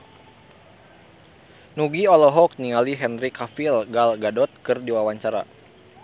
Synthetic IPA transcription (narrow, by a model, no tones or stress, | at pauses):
nuɡiɔlɔɦɔk̚niŋaliɦɛnɾikafilɡalɡadɔt̪̚kɨrdiwawaɲt͡ʃaɾa̰